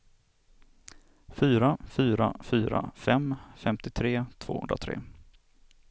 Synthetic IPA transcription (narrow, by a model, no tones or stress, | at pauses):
fyːɾafyːɾa̰fyːɾa̰fɛmfɛmt̪ɪt̪ʰɾeːt̪ʰv̥o̰ːhɵ̰nd̪ɾat̪ʰɾḛː